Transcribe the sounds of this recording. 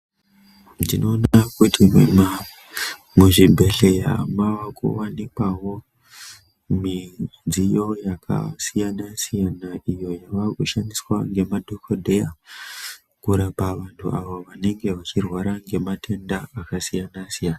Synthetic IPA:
ndino̞ːnaakutimema | muʐibʱe̞ɬe̞ja̰mawakṵwanikwaɦo̞ | mid͡zijo̞jakʰa̰sijanasijanaʔijo̞jaʋakuʃandiswa̰ŋɡe̞madʱokʰodʱe̞ja | kuɾapaʋantʰṵaʋoʋane̞ŋɡe̞ʋat͡ʃirwaɾaŋɡe̞matʰe̞ndaakasijanasijaːna

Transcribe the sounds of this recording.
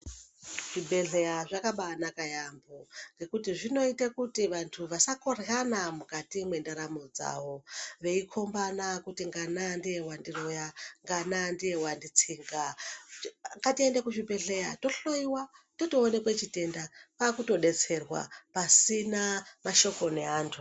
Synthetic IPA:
ʐ̥ibʱeɮejaʐakaɓaːnakajamboŋɡe̞kutiʐino̞itakutiʋantʰuʋasakorɣanamukatimwe̞ndaɾamod͡za̰ʋo̞ʋe̞ikʰo̞mbanakutiŋɡanandije̞wandiro̞jaŋɡanandijewandit͡siːŋɡa | ŋɡatie̞ndekuʐibe̞ɮe̞jato̞ɬoiwatotoːne̞kwet͡ʃite̞ndapakuto̞ɗe̞t͡se̞rwa̰pasinamaʃo̞ko̞ne̞aːntʰu

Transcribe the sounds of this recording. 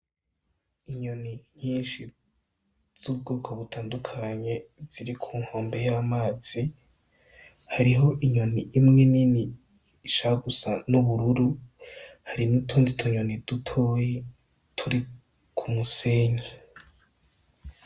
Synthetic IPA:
iɲo̞niɲ̥iːnʃi | z̥ub̚ɡoːkʰoβutʰaːndukʰaɲe̞z̥iɾikʰuːŋho̞ːmbe̞jamaːz̥i | haɾiɦo̞ʔiɲo̞niʔːmŋeniniː | ʃaɡusanuβuɾuɾu | haɾinitʰoːnditʰoɲo̞nid̥utʰoje | tʰuɾi | kʰumuseːɲe

